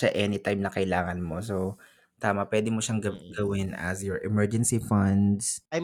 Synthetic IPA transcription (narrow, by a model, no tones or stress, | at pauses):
ɐʔɛːnɪt̪ajmnɐkɐɪlaːŋɐnmo̞so | t̪aːmɐpwɛːd̪ɪmoʃaŋɡɐwɪnɐ̰sjɔɹʔɛmɛɹd͡ʒɛnsifɐnd̪sj